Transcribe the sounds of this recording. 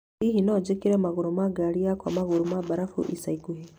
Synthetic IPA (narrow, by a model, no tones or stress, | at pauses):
iɦinɔd͡ʒekiɾɛmaɣuɾumaɡaɾiakwa̰maɣuɾumabaɾafṵʔisaikuɦi